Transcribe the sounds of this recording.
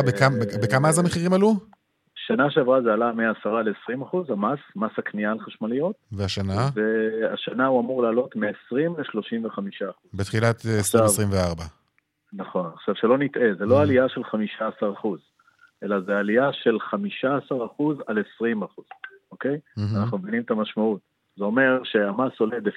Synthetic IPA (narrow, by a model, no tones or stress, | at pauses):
bekabekamaazameχiʁimalu | ʃanaʃeavʁazealameaːsaʁalesʁimaχuzamasmashaknialχaʃmalijo̞tveaʃanazeaʃanauamuʁlaːlo̞tmeːsʁimleʃlo̞ʃimveχamiʃaːχuzbet̪χilat̪esʃasvʁimveaʁba | naχo̞naχʃavʃelo̞nitʔe̞zeloaːliaʃe̞lχamiʃaːsaʁaχuz | ʔe̞lazealiaʃe̞lχamiʃaːsaʁaχuzalesʁimaχuz̥o̞ke̞janaχnumevinimetamaʃmaut | zeo̞me̞ʁʃe̞amaso̞le̞d̪ef